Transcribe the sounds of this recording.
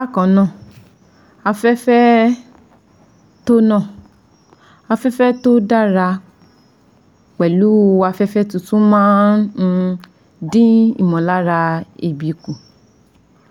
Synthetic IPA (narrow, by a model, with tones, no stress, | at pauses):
a˦kɔ̃˨nã˦˨ | a˧fɛ˦fɛ˦ | to˦nã˦˨ | a˧fɛ˦fɛ˦to˦da˦ɾa˧ | k͡pɛ˨lu˨˦˧wa˧fɛ˦fɛ˦tu˧tũ˦mãː˦ñ̩˧ | dĩ˦ḭ˦˨mɔ̃˨la˦ɾa˧e˨bi˨kũ˨